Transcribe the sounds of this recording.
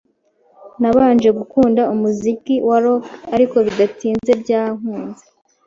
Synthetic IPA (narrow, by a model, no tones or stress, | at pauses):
naβaːnʒe̞ɡukuːndaumuzikiwaɾo̞kaɾiko̞βid̪atiːnze̞bjaːŋuːnze